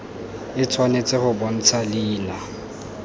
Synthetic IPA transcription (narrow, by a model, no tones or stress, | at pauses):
ɪt͡sʰwanet͡sʼɪχʊbɔn̩t͡sʰaliːla